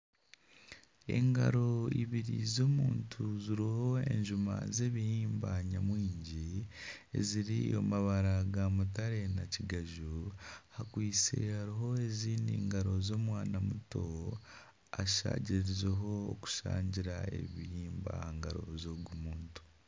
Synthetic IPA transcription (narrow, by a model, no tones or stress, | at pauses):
e̞̰ŋɡaɾo̞iβiɾḭzo̞ːmuːntʰuziɾiho̞e̞̰ɲʒuma̰ze̞ːβihiːmbaɲamwiːɲɟi | ḛziɾio̞̰maβaɾaɡamutaɾe̞naciɡaʒuhakwiːt͡se̞̰haɾiɦo̞e̞ziːndiːŋɡaɾo̞zo̞ːmwaːnamuto̞ | aʃa̰ːɟiɾiɾizeɦo̞o̰ku̥ʃa̰ːɲɟiɾae̞̰βihiːmba̰ŋɡaɾo̞̰zoɡumuːntu̥